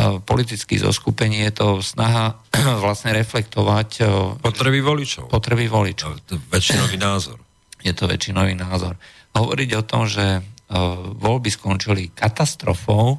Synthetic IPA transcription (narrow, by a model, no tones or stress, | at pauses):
pɔlit̪it͡skḭzɔ̰skupɛɲiːjɛt̪ɔsnaɦa | ʋlasɲɛɾɛflɛkt̪ɔʋacpɔt̪ɾɛbiʋɔlit͡ʃɔʊpɔt̪ɾɛbiʋɔlit͡ʃʋɛt͡ʃinɔʋiːnaːzɔ̰ɾ | jɛt̪ɔʋɛ̰t͡ʃinɔʋiːnaːzɔɾ | ɦɔʋɔ̰ɾiɟɔt̪ɔmʒɛ | ʋɔʎbiskɔnt͡ʃilikat̪ast̪ɾɔfɔʊ